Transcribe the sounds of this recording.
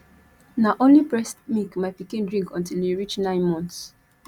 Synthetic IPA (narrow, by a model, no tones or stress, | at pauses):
naʔõnlipɹɛstmikmaɪpikĩndɹĩŋkɔ̃ntiliɹit͡ʃnãɪ̃nmɔ̃ns